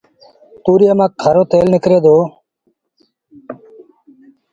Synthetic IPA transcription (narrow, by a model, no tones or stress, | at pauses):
t̪uːɾɪjaːmãːk̚ʰːəɾoːt̪eːlnɪkɾeːd̪oː